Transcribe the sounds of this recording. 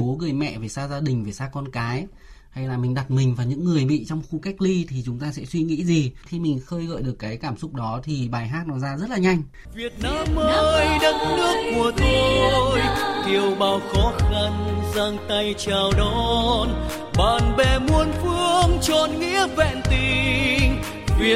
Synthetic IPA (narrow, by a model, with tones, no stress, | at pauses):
o˨˦ɣɨ˨˩əjmɛ̰˧˨ve˨˩saː˧zaː˧ɗï˨˩ŋ̟ve˨˩saː˧kɔ˧nkaː˨˦j | ha˧jlaː˨˩mï˨˩ŋ̟ɗa˨˩t̚mï˨˩ŋ̟vaː˨˩ɲɨ̰˧˥ŋːɨ˨˩əjɓḭ˧˨t͡ɕɔ˧wŋ͡mxu˧ka˦˥jk̟̚li˧t̪ʰi˨˩t͡ɕʊ˨˦ŋ͡mt̪aː˧sɛ̰˧˥swi˧ŋḭ˧˥zi˨˩xi˧mï˨˩ŋ̟xəː˧jɣə̰ː˧˨jɗɨ˨˩əkːaː˨˦jkaː˧˩msʊ˦˥k͡p̚ɗɔ˨˦t̪ʰi˨˩ɓaː˨˩jɦaː˦˥t̚nɔ˨˦zaː˧zə˦˥t̚laː˨˩ɲa˧jŋ̟ | vi˨˩ət̚naː˧˥mʔəəː˧jɗə˦t̚nɨ˦˥ək̚mu˨˩ət̪ʰo˧jki˨˩əwɓaː˨˩wxɔ˨˦xa˧nza˧ŋt̪a˧jt͡ɕaː˨˩wɗɔ˧˦˨n | ɓaː˨˩nɓɛ˨˩mu˧ənfɨ˧əŋt͡ɕɔ˨˩nŋḭ˧˥əvɛ̰˧˨nt̪i˧˩ŋ | vi˨˩ə